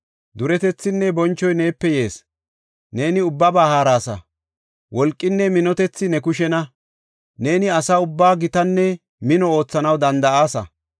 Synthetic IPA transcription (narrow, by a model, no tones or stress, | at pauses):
d̪ʊɾɛt̪ɛt͡sːɪnːɛbɔnt͡ʃːɔjne̞ːpːɛje̞ːs | ne̞ːnɪʊbːɐbahaːɾaːsɐ̰ | wɔlkʼːɪnːɛmɪnɔt̪ɛt͡sːɪnɛkʊʃɛnɐ | ne̞ːnɪɐsɐʊbːaːɡɪt̪ɐnːɛ | mɪnɔo̞ːt͡sːɐnɐwd̪ɐnd̪ɐaːsɐ̰